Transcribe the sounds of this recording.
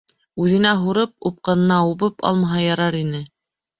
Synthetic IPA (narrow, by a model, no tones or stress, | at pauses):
ʉðɘ̆næɦuɾɤp̚up̚qɑnɤ̆nɑuβɤpɑ̰lˠmɑɦɑjɑɾɑɾinɘ